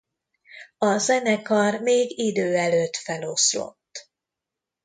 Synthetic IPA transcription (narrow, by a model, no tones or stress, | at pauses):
ɒzɛnɛkɒrmeːɡid̪øːɛløːt̪fɛlo̞slo̞̰t̪ː